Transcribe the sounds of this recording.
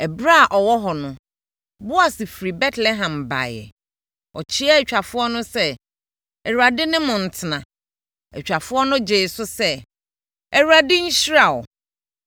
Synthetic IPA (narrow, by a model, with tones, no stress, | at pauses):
ɛ˨bɾa˦a˨ʔɔ˨wɔ˦ɦɔ˨nʊ̃˦˨ | bʊ˦a˨sɪ˨fɾi˨bɛ˦tʰlɛ˦ɦã˨mba̰˨jɛ̰˨ | ɔ˨t͡ɕʰi˦a˦ɛ˨t͡ɕᶣa˨fʊ˦ɔ˦nʊ̃˦sɛ˦ | ɛ˨ɾu˨a˨dɪ˦nɪ̃˦mʊ̃˨n̩˨tʰɪ˨nã˨ | ɛ˨t͡ɕᶣa˨fʊ˦ɔ˦nʊ̃˦d͡ʑe˨sʊ˦sɛ˦ | ɛ˨ɾa˨dɪ˦ɲ̩˦ɕi˦ɾa˨wɔ̰˨